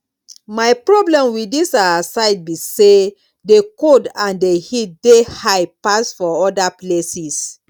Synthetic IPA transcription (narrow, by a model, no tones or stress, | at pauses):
maɪpɹɔblɛ̃mwidisaasaɪd̚bise | dekodãndehit̚dehajpasfɔɔdaplesis